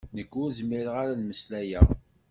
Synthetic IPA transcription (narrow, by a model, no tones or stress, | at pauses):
nəkːʊɾzmiɾʁaɾalməslæjæ